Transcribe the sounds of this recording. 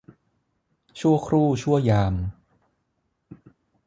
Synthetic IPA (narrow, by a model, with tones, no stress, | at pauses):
t͡ɕʰu˥˩ɐkʰɾuː˥˩t͡ɕʰu˥˩əjaː˧m